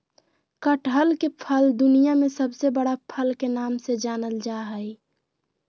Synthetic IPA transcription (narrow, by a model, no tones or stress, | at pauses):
kəʈɦəlkepʰəld̪ʊnijamẽsəbsebəɽapʰəlkenaːmsed͡ʒaːnəld͡ʒaɦəi